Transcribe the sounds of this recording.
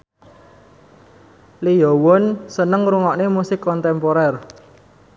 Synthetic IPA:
lijɔwɔnsənəŋɾuŋɔʔnemusɪkːɔnt̪ɛmpoɾɛr

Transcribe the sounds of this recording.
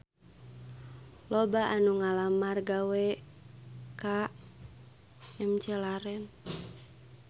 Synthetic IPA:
lɔbaʔanuŋalamarɡawɛ | ka | ɛmt͡ʃɛlaɾɛn

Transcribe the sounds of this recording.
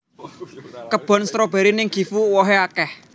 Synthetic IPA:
kəb̥ɔ̤nst̪ɾob̥e̤ɾinɪŋɡ̥i̤fuwɔɦeakɛh

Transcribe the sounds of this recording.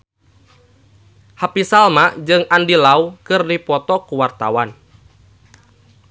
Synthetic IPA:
hapisalmaʔd͡ʒɨŋandilaukɨrdipɔt̪ɔkuwart̪a̰wan

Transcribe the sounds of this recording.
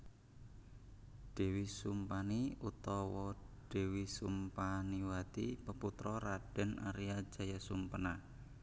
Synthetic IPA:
ɖ̥e̤wisumpaniut̪ɔwɔɖ̥e̤wisumpaniwat̪ḭpəput̪ɾɔɾaɖ̥ɛ̤na̰ɾiḁʒ̥a̤jasumpəna

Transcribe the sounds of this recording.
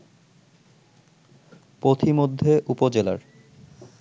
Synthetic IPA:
pɾot̪ʰimod̪ʱːeʔupod͡ʑela̰ɾ

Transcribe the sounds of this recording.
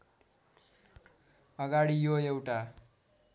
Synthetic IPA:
ʌɡaɽijoewʈa

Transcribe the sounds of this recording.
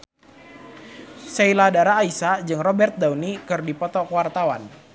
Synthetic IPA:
seiladaɾaːisad͡ʒɨŋrɔbɛrt̪̚daunikɨrdipɔt̪ɔkwart̪awa̰n

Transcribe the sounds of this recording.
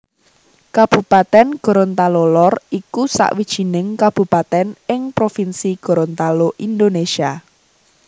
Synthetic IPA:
kab̥ṳpat̪ɛnɡ̥ɔ̤ɾɔnt̪alolɔrikusa̰ʔwid̥ʒ̥i̤nɪŋkab̥ṳpat̪ɛnɪŋpɾofinsiɡ̥ɔ̤ɾɔnt̪aloʔind̪onesia

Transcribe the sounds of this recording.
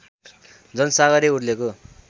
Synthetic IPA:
d͡zʌnʌsaɣʌɾiurleko

